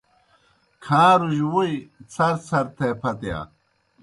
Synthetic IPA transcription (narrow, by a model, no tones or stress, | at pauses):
kʰãːɾuʑwujt͡sʰɐɾt͡sʰɐɾt̪ʰepʰɐt̪ja̰